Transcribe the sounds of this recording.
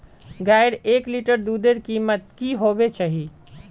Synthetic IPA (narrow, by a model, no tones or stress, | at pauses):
ɡaɪɽekliʈəɾd̪ud̪eɾkimət̪̚kiɦobet͡ʃaɦi